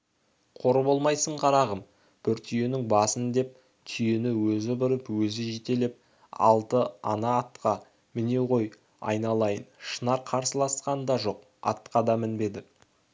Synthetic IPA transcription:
qʰo̞ɾəbo̞lˠmɑjsəɴqʰɑɾɑʁəm | b̥ɪɾt̪ʰʏjenɪŋbɑsənd̪e̞p̚ | t̪ʰʏje̞nɪwɵzɪbɪɾəpwɵzɪʒet̪e̞lep̚ | ɑ̰lˠt̪əɑnɑːt̪qɑ | mɪne̞ʁo̞j | ɑ̰jnɑlˠɑjənʃənɑɾqʰɑɾsəlˠɑsqɑnd̪ɑʒo̞q | ɑ̰t̪qɑd̪ɑmɪnbe̞d̪ɪ

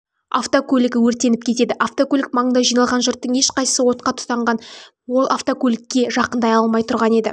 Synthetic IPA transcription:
a̰ft̪okʰʲɵlʲɪɡʲɪwɵɾt̪e̞nɪp̚kʲʰe̞t̪e̞d̪ɪʔaft̪okʲɵlʲɪk̚mɑɴənd̪ɑʒijnɑlˠʁɑnʒʊɾt̪ːəɴe̞ʃqɑjsəwo̞t̪qɑt̪ʰʊ̥t̪ɑɴʁɑn | wo̞lˠʔaft̪o̞kʰʲɵlʲɪkʲːe̞ʒɑqənd̪ɑjɑlˠmɑjt̪ʰʊɾʁɑne̞d̪ɪ

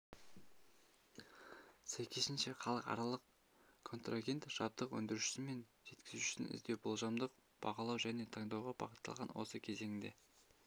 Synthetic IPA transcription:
sæjkʲʰe̞sɪnʃe̞χɑlˠəqɑ̰ɾɑlˠəq | kʰo̞nt̪raɡʲe̞nt̪ʒ̥ɑp̚t̪əqwɵ̰nd̪ɪɾuʃɪ̥sɪme̞nʒe̞t̪kʲɪzuɪ̥sɪnɪ̰zd̪e̞wbolˠʒɑmd̪əq | b̥ɑqɑlˠɑwʒæne̞t̪ʰɑŋd̪ɑwʁɑbɑ̰qət̪ːɑ̰lˠʁɑnwo̞̰səkʲʰe̞ze̞ŋɪnd̪e̞̰

